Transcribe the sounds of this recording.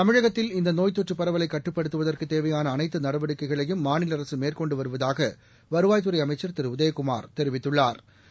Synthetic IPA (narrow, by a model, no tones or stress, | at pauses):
t̪ɐmɪɻɐɣɐt̪ːɪlɪnd̪ɐnoːjt̪ːɔʈrɯpːɐɾɐʋɐlɐɪkːɐʈːɯpːɐɽɯt̪ːɯʋɐðɐrkɯt̪ːeːʋɐjaːnɐːnɐɪt̪ːɯnɐɽɐʋɐɽɯkːɐɪɣɐɭɐjɯmːaːnɪlɐɾɐsɯmeːrkɔɳɖɯʋɐɾɯʋɐðaːɣɐ | ʋɐɾɯʋaːjt̪ɯɾɐɪɐmɐɪt͡ʃːɐɾt̪ɪɾɯʊðɐjɐkʊma̰ːɾt̪ɛɾɪʋɪt̪ːɯɭːaːɾ